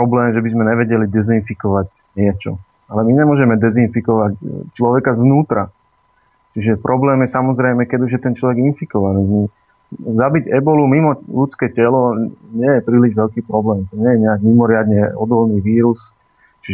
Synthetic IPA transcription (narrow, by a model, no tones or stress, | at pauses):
pɾɔblɛːmʒɛbizmɛɲɛʋɛɟɛlid̪ɛzinfikɔʋac | ɲɛt͡ʃɔ̰ | alɛmiɲɛmʊɔʒɛmɛd̪ɛzinfikɔʋact͡ʃlɔʋɛkazʋnuːt̪ɾa̰ | t͡ʃiʒɛpɾʔɔblɛːmjɛsamɔzɾɛjmɛkɛɟuʒjɛt̪ɛnt͡ʃlɔʋɛɡinfikɔʋaniːi | zabiɟɛbɔlumimɔʎut͡skɛːcɛlɔɲɪɛjɛpɾiːliʒʋɛʎkiːpɾɔblɛːmt̪ɔɲɛjɛɲɛaɡmimɔɾɪad̪ɲɛɔd̪ɔlniːʋiːɾus | t͡ʃi